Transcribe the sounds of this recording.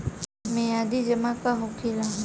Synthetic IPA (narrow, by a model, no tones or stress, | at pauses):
mẽjaːd̪iːd͡ʒəmãːkaːɦʊkʰiːlãːɦ